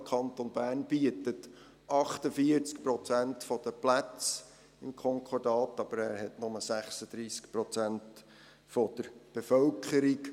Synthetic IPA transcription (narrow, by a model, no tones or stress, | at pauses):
kʰɑnt̪onbæːrnb̥iətət | ʔɑχt̪əfiəɾt͡skpɾɔt͡sæntfɔd̥̪əplæt͡s | ɪmkʰɔŋkʰɔɾdɑːt̪ɑb̥əɾæːɾhɛtnʊməsæχsəd̥̪ɾiːskpɾɔt͡sænt | fɔd̥̪əɾb̥efœlkʰəɾik